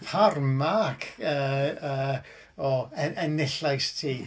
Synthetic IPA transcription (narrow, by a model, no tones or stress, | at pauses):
pʰarmakʰəːəː | ɔɛʔɛnɪɬajstʰiː